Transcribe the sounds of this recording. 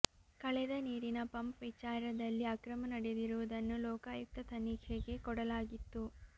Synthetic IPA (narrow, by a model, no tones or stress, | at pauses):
kɐɭɛd̪ɐniːɾinɐpɐmpʋit͡ʃaːɾɐd̪ɐlːiaːkɾɐmɐnɐɽed̪iɾuʋɐd̪ɐnːulɔːkaːjuk̚t̪ɐt̪ɐnːikʰeɡe̞kɔɽɐlaːɡit̪ːu